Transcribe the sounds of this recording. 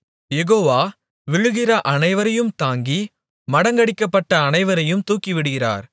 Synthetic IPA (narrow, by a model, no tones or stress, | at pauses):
jɛɣoːʋaː | ʋɪɻɯɣɪrɐʔɐnɐɪʋɐɾɐjɯmt̪aːŋɡi | mɐɽɐŋɡɐɽɪkːɐpːɐʈːɐːnɐɪʋɐɾɐjɯmt̪uːkːiʋɪɽɯɣɪra̰ːɾ